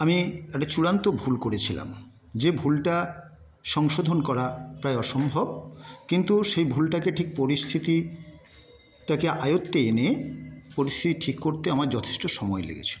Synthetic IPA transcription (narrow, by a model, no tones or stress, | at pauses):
amiɛk̚ʈat͡ɕuɾant̪obʱulkoɾet͡ɕʰila̰m | d͡ʑebʱulʈa | ʃɔŋʃod̪ʱonkɔɾapɾaeɔʃombʱobkint̪uʃejbʱulʈakeʈʰik̚poɾist̪ʰit̪i | ʈakeʔajot̪ːeenepoɾist̪ʰit̪iʈʰikːoɾt̪eamaɾd͡ʑɔt̪ʰe̥ʃʈoʃɔmɔelḛɡḛt͡ɕʰi̥lo